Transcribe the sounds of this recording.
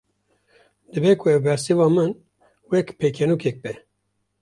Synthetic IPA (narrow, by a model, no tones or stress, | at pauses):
d̪ɨbɛkʰʊɛwbɛɾsivɑːmɨn | wɛkpʰekʰɛnukʰɛk̚bɛ